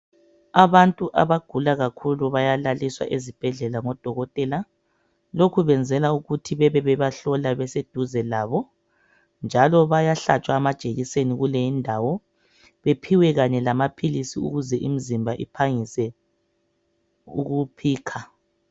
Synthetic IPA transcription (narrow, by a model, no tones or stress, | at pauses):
aβantʼuʔa̰βaɡ̥ʱulaɣakʰuluβajalaliswa̰ʔezib̥ʱɛɮɛlaŋɔd̥ʱɔɣɔtʼɛla | lokʰuβɛnd͡zʱɛlauɣutʰiβɛβɛβɛβaɬɔlaβɛsed̥ʱuzɛlaːβɔ | nd͡ʒʱalɔβajaɬat͡ʃʼwaːmad̥ʒ̥ʼʱeɣiseniɣuleindʱawɔ | βepʰiwɛɣaɲɛlamapʰilisiṵɣuzɛʔim̩zimbʱaʔḭpʰaŋisɛ | ṵɣupʰiːkʰa